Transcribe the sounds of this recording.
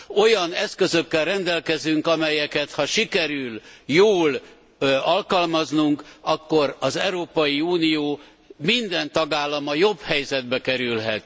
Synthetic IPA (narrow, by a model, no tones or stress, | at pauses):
o̞jɒnɛskø̞zøkːɛlrɛnd̪ɛlkɛzyŋkɒmɛjɛkɛt̪hɒʃikɛɾyljoːl | ɒlkɒlmɒznuŋkɒkːo̞ɾɒzɛwɾoːpɒjiuːnijoː | mind̪ɛnt̪ɒɡaːlːɒmɒjo̞bhɛjzɛd̪̚bɛkɛɾylɦɛt̪